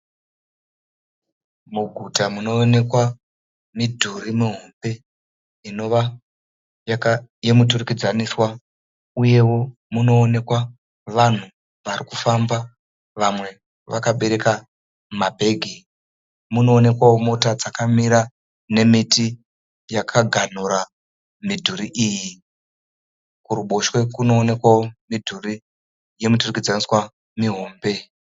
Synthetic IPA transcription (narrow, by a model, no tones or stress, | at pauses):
muɡʱutamuno̞ːne̞kwa | midʱuɾimuɦombe̞ | ino̞ʋa | jakajemuturukid͡zaniswa | uje̞wo̞ | muno̞ːne̞kwa | ʋan̤u | ʋarikufamba | ʋamwe̞ | ʋakaɓe̞ɾe̞ka | mabʱe̞ːɡʱi | muno̞ːne̞kwawo̞mo̞tad͡zakamiɾa | ne̞miti | jakʰaɡʱan̤uɾa | midʱuɾiʔiːji | kuɾuɓo̞ʃwe̞kuno̞ːne̞kwawo̞midʱuri | je̞muturikid͡zaniswa | miɦo̞ːmbe̞